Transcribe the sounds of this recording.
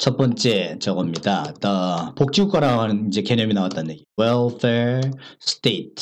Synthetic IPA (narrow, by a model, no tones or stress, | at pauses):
t͡ɕʰʌt̚p͈ʌnt͡ɕ͈e̞t͡ɕʌɡʌmɲidat͈ʌpok̚t͡ɕ͈iuk͈aɾaɡoɦanɯnind͡ʑe̞ke̞ɲjʌminawat͈anjeɡiwelfʰesɯ̥t͈etʰ